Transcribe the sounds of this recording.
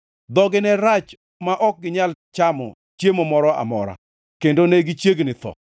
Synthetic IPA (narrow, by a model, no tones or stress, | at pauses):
d̪ɔɡɪnɛɾat͡ʃ | maʔɔk̚ɡɪɲalt͡ʃamɔ̰ | t͡ʃjemɔmɔɾɔa̰mɔ̰ɾa̰ | kendoneɡit͡ʃjeɡnɪt̪ɔ̰